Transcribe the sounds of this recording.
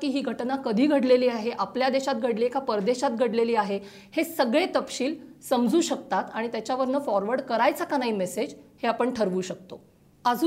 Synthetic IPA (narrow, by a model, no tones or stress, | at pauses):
kiːɦiːɡʱəʈnakəd̪ʱiːɡʱəɽleliːaɦeʔapljad̪eɕat̪ɡʱəɽliekʰapəɾd̪eɕat̪ɡʱəɽleliːaɦe | hesəɡɭẽt̪əpɕiːlsəmd͡zuːɕək̚t̪at̪aɽ̃it̪jat͡ɕjaʋəɾnəfɔɾʋəɽkəɾajt͡sakanaɦiːmesed͡ʑheapəɳʈʰəɾʋuːɕək̚t̪o̰ | əd͡z